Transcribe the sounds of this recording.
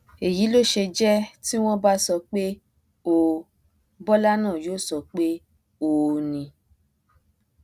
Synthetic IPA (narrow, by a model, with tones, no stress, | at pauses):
e˨ji˨˦lo˦˨ʃe˧d͡ʒɛ˦ti˦w̃ɔ̃˦ba˦sɔ˧k͡pe˦ | o˧ | bɔ˦la˦nãː˦˨joː˦˨sɔ˧k͡pe˦ | o˧nĩ˧